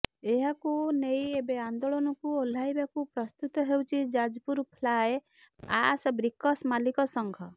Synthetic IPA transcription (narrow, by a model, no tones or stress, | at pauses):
eɦakunejebeand̪oɭɔnɔkuol̤ajbakupɾɔst̪ut̪ɔɦewt͡ʃʰid͡ʒad͡ʒpuɾpʰlaj | a̰sbɾikːɔsmalikɔsɔŋɡʱɔ